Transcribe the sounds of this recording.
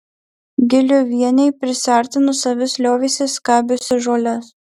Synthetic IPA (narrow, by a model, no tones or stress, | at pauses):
ɡʲɪlʲʊʋʲiɛnʲɛɪpʲɾʲɪsʲæˑɾʲt̪ʲɪnʊsɐʋʲɪsʲlʲoːʋʲesʲɪskɑːbʲʊsʲɪʒoːlʲɛs